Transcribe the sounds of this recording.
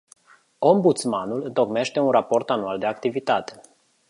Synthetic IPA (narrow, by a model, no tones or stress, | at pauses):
o̞mbut̪smanulɨnt̪o̞kme̞ʃt̪e̞unrapo̞rt̪anuald̪e̞akt̪ivit̪at̪e̞̥